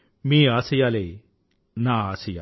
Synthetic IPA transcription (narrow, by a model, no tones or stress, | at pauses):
mĩːaːsijaːleː | nãːaːsija